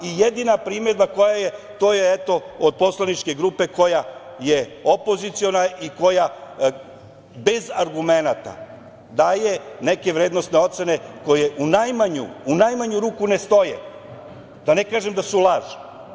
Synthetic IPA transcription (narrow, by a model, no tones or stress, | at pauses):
ijed̪inapɾiːmed̪̚bako̞jaje | t̪o̞ːjeet̪o̞od̪̚po̞slˠanit͡ʃke̞ɡɾuːpe̞ko̞jajeo̞po̞zit̪sio̞naiko̞ja | be̞zaɾɡume̞nat̪a̰ | d̪ajene̞ke̞ʋɾe̞ːd̪no̞st̪ne̞o̞t̪sene̞ko̞jeʔunajmaɲṵːnajmaɲuɾuːkune̞st̪o̞jḛ | d̪̥ane̞kaːʒemd̪asulˠaːʒi̥